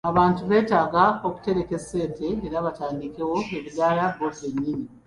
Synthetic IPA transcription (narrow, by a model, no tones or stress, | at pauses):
aβaːntuβe̞ːtaːɡao̞ku̥te̞ɾe̞ke̞sːe̞ːnte̞eɾaβataːndike̞wo̞eβizaːlabo̞se̞ɲːiɲi